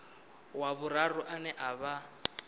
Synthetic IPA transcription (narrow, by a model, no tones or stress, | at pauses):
waβʊrarʊʔanɛʔaβa